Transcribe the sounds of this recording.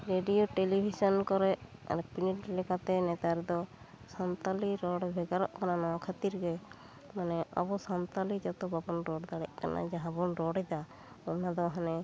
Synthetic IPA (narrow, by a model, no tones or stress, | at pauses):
ɾeɖijoʈelibʱisɔnkɔɾɛʔa̰ɾpiniʈlɛkat̪ɛnɛt̪aɾd̪ɔ | sant̪aliɾɔɽbʱɛɡaɾɔʔkananɔwakʰat̪iɾɡɛ | manɛʔɔ̰bɔsant̪alid͡ʒat̪ɔbabɔnɾɔɽd̪aɽɛʔkanʔa̰d͡ʒaɦãbɔnɾɔɽɛd͡ʒ̪a | ɔnad̪ɔɦanɛ